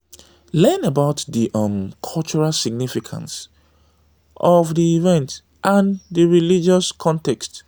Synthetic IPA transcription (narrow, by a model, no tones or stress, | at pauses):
lɛ̃nəbaʊtðiʔʌ̃mkʰɔlt͡ʃuɹalsiɡ̚nifikʰã̰ns | ʔɔvðiivɛ̃nt | ʔãnðəɹilid͡ʒɔskʰɔ̃ntɛkst